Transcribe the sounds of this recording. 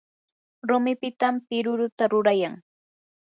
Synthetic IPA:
ɾʊmɪpɪt̪ampɪɾʊɾʊt̪aɾʊɾajaŋ

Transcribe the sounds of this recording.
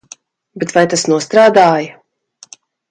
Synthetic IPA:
bɛt̪vajt̪asnuɔst̪ɾaːd̪aːjɐ

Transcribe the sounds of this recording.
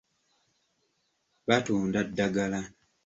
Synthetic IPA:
βatuːndadːaɡala

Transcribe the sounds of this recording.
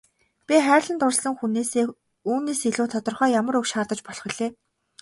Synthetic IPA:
pʲiχæːrʲɮə̆nt̪ʊrɮsə̆ŋxuneːseː | uːneːsiɮuːt̪ʰɔt̪ɞ̆rχœːjamə̆ɾɵkʃaːrt̪ə̆t͡ɕpɔɮχɵ̆ɮeː

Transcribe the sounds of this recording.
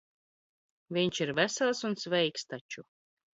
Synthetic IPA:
vʲiɲt͡ʃiɾvæsɛlˠsunsvɛjkst̪at͡ʃu

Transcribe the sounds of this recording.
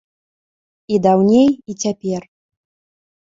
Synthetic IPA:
id̪awnʲejit͡sʲapʲɛr

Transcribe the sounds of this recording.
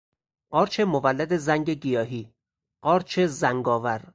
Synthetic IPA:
ɢ̥ɒːɾt͡ʃʰe̞movælːæd̪e̞zæŋɡe̞ɡijɒːɦiː | ɢɒːɾt͡ʃʰe̞zæŋɡɒːvæɾ

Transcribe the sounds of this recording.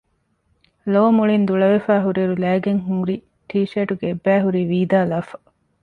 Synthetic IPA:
loːmuɭind̪uɭɐʋefæːɦuɾiɾulæːɡeŋɦũːɾi | ʈʰiːʃeːʈuɡeebːæːɦuɾiːʋiːd̪aːlɐːfɐ̥

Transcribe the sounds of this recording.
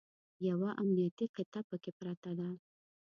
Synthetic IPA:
jawaʔamnijat̪iqɪt̪apəkepɾɑt̪ad̪a

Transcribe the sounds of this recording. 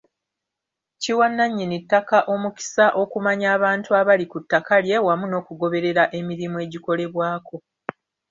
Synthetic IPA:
ciwanːaɲːinitːakaʔo̞muki̥saʔo̞kumaɲaːβaːntuaβalikutːakalje̞wamuno̞ːkuɡo̞βe̞ɾe̞ɾaʔe̞miɾimue̞ːɟiko̞le̞βwaːko̞

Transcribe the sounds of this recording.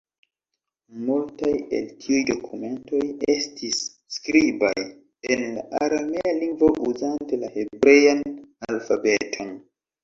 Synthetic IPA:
multaje̞̰ltʰiujdo̞kʰume̞nto̞je̞stʰisː | kɾiba̰j | e̞nlaʔaɾamealiŋɡvo̞ʔuzante̞lahe̞bɾe̞janalfabe̞tʰo̞n

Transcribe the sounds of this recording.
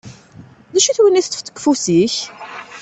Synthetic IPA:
ðæʃiθwəniθt̪ːə̥ft͡s̪ːə̥kːfusiç

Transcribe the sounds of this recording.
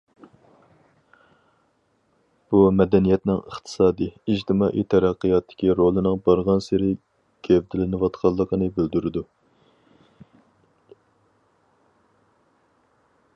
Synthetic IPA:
b̥umɛd̪ɛnijɛt̪nɪŋə̰χt̪ʰɨ̥sɑːd̪iid͡ʒt̪ʰɪmɑːʔḭt̪ʰɛɾæqːɨjɑt̪ʰːɪ̥kʲiɾolˠɨnɨŋbɑɾʁɑnseɾɪ | ɡ̥ʲevd̪ɪlɪnɨwɑt̪qʰɑlˠːəqʰənɨbyld̪yɾɪd̪u

